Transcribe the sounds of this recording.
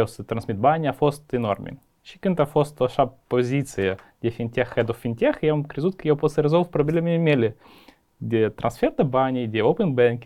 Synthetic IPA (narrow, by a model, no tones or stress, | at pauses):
owsɨt̪ɾɐnsʲmʲit̪̚banʲɪɐfost̪ɨno̰rmʲɪ̰ | t͡ɕikʲɨnt̪ɐfost̪oʂappːozʲit̪sɨjəɡdʲefʲinʲtʲexɛd̪ɔfʲinʲtʲexjamkɾʲɪzut̪kʲjoposlʲɪɾɨzolˠfpɾɐbʲɪlʲemʲɪmʲelʲɪ | ɡdʲet̪ɾʔɐnsfʲerd̪ɐbanʲɪɡdʲeopənbɛnkʲ